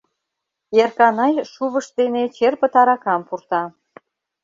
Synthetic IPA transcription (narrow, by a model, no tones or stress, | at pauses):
erkɑnɑjʃuβəʃt̪enet͡ɕerpə̆t̪ɑɾɑkɑmpurt̪ɑ